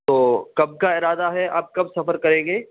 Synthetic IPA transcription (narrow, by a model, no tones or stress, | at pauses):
t̪oːkɐb̚kaɪɾaːd̪aɦɛa̰ːp̚kɐbsɐfəɾkɐɾẽːŋɡeː